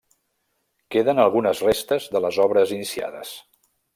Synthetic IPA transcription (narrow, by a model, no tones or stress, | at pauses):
keðənəlˠɣunəzrest̪əzðələzɔβɾəzinisia̰ðə̰s